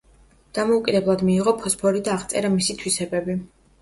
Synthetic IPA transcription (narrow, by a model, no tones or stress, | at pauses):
d̪̥amɔukʼid̪ɛblˠad̪miːʁɔpʰɔspʰɔɾid̪aːʁt̪sʼɛɾamisit̪ʰwisɛbɛbi